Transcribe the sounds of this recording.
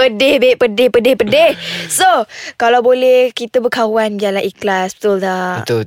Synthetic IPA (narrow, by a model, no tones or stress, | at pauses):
ədehbeʔpədɪhpədehpədehsokalawbolɛhkit̪əbəkawanɡiaʔlaʔiklasbə̥t̪ʊldaət̪u